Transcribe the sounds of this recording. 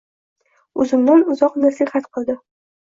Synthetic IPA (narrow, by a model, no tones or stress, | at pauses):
ʊzɪmd̪anʊzɒqnasɪhat̪qʰɨlˠd̪ɪ